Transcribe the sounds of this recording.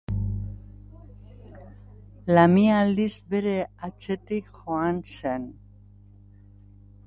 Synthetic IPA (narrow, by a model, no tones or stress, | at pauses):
lamializbeɾe̞at͡se̞t̪ikxoansen